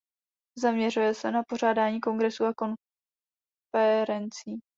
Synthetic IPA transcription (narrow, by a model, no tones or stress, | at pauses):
zamɲɛr̝ujɛsɛnapo̞r̝aːdaːɲiːko̞ŋɡɾɛsuako̞n | fɛɾɛnt͡siː